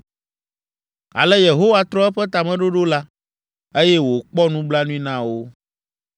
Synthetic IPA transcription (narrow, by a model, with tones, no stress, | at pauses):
a̰˨lɛ˦je˨ɦo˦wa˦t̪ɾɔ˦ɛ˦ɸɛ˦t̪a˨mɛ̃˨ɖo˦ɖo˦la˦ | e˦jɛ˦wo˨k͡pɔ˦nũ˦ɡ͡bla˦nũ˦ĩ˦nã˦˨wo˦